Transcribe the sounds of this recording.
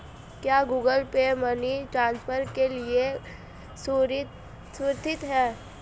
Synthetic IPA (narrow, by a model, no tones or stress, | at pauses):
kjaːɡuːɡəlpeməniʈɾãːnspʰəɾkelie | s | sɾt̪ʰɪt̪ɦɛ̃ː